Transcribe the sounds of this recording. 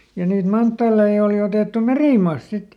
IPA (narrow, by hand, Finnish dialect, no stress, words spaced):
jɑ niːt mɑntːɑːlei oˑli oteˑtːu meriˑmɑːst sit